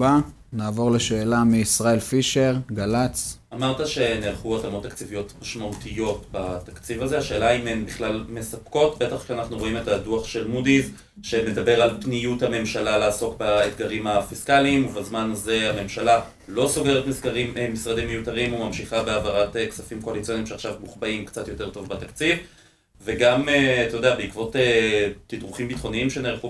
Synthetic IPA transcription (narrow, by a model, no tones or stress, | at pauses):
ba | naːvo̞ʁle̞ʃe̞ːlamiːsʁaelfiʃe̞ʁɡalat͡sʔamaʁt̪aʃe̞nelχuatamo̞t̪ːakt͡sivijo̞tmaʃmautijo̞tbat̪akt͡sivaze̞aʃe̞ːlaimembiχlalme̞sapko̞tbe̞taχʃeanaχnuʁo̞ime̞taduaχʃe̞lmudiv | ʃe̞ne̞d̪abe̞ʁalpnijuthame̞mʃalaleaso̞kbaed̪ɡaʁimafiskaliːmuvazmanaze̞hame̞mʃala | lo̞so̞ɡe̞ʁetmisɡaʁimmisʁademejutaʁimumamʃiχabeavaʁateksafimko̞alit͡sijo̞nimʃeaχʃavmuχbaimkt͡sat̪jo̞te̞ʁto̞vbatakt͡siv | ve̞ɡamet̪ojodeabeikvo̞tetidʁuχimbitχo̞niimʃeneχu